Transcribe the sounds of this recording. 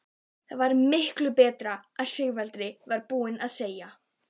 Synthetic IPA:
θaðvaɾmɪhklʏpɛːt̪ɾaaðsɪɣvɛlt̪ɾɪvaɾpuːɪnaðseːja

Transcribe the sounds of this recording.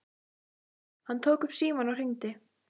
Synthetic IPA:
hanːt̪ʰowkʏpsiːmanawr̥ɪnt̪ɪ

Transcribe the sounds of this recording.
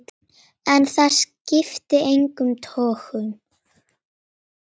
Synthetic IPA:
ɛnθascɪft̪ɪejŋkʏmt̪ʰɔːxʏm

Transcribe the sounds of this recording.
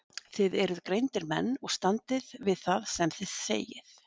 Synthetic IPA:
θɪðɛɾʏðkɾejnt̪ɪɾmɛ̰nːɔɣst̪ant̪ɪðvɪðθaðsɛmθɪð̥sḛːjɪθ

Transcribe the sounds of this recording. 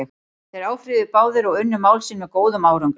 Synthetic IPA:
ɛx | θejɾaːwfɾɪðʏpaːwðɪɾɔwʏnːʏmaːwlsɪnmɛðkoːwðʏmaːwɾʏŋk

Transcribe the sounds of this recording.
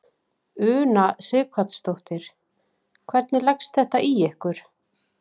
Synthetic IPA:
ʏːnasɪːkʰvat̪st̪owht̪ɪɾ̥ | kʰvɛɾt̪nɪlɛkst̪θɛht̪aʔiɛhkʏɾ̥

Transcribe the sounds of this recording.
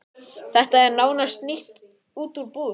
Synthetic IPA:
θɛht̪aɛɾnaːwnast̪niht̪ | uːt̪uɾpuː

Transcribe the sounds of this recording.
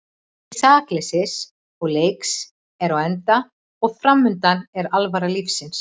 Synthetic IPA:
isaːklɛsɪs | ɔɣleːjks | ɛɾawɛnt̪a | ɔɣfɾamːʏnt̪anɛɾalvaɾalifsɪns

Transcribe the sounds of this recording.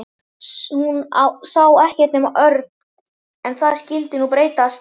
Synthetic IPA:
hunasawɛhcɛ̥t̪nɛmaʔœɾt̪n | ɛnθaðscɪlt̪ɪnupɾeːjt̪ast

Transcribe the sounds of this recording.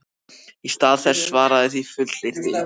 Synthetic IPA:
ist̪aːðθɛsːvaːɾaðɪθifʏt̪lɪɾ̥t̪ɪ

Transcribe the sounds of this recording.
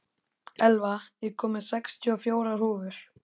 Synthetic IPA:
ɛlvajɛɣkʰɔːmɪ̥sɛkst̪ʰiɔfjoːwɾar̥uːvʏɾ̥

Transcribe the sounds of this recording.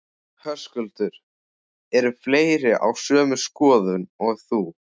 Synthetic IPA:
hœskʏlt̪ʏɾ̥ | ɛɾʏfleːjɾɪʔa̰wsœːmʏskɔːðʏnɔɣθu

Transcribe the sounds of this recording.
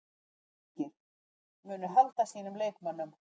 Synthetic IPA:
ɪ | mʏːnʏɦalt̪asiːnʏmleːjkmanːʏm

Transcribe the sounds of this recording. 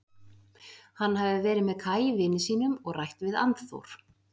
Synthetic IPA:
hanːɦavðɪvɛːɾɪðmɛðkʰaːjɪvɪːnːɪsiːnʏmɔɣrajht̪vɪða̰nt̪θo̰wɾ̥

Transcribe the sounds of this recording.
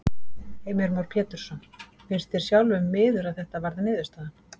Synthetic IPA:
eːjmɛɾmawɾpʰjɛːt̪ʏɾ̥sɔn | fɪnst̪ɪɾ̥sjawlvʏmːɪːðʏɾaðθɛht̪avaɾðanɪːðʏst̪aðan

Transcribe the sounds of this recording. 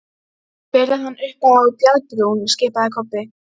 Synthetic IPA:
pɛːɾahanːʔʏhpaawpjalpɾuwnscɪːpaðɪkʰɔpːɪ

